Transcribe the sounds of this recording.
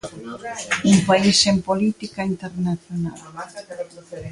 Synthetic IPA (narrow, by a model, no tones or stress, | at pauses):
umpaisempolit̪ikaint̪eɾnaθjona̰l